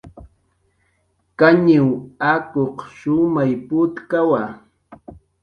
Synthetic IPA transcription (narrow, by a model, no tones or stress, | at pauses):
kaɲɪwakoqʃʊmajpʊt̪kawa